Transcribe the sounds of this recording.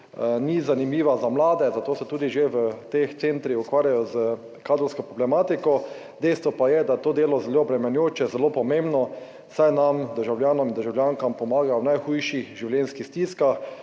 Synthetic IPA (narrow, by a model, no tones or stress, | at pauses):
nizanimiːʋazamlaːd̪ɛzat̪oːsɛt̪uːd̪iʒeʋət̪ext̪sent̪ɾixukʋaːɾjajɔzə | kaːd̪ɾɔlskɔpɾɔblɛmaːt̪ikɔ | d̪ɛjst̪ʋɔpajɛd̪at̪oːd̪eːlɔzɛloːbɾɛmɛnjoːt͡ʃɛzɛloːpɔmẽmbnɔ | sajnamd̪əɾʒawljaːnɔmind̪əɾʒawlʲjaŋkampɔmaːɡawnajxujʃixʒiwljɛnskixst̪iskax